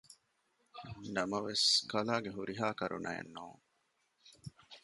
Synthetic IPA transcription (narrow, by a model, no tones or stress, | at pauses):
nɐmɐʋeskɐlaːɡeɦuɾiɦaːkɐɾṵnʔɐ̰jḛnːuːŋ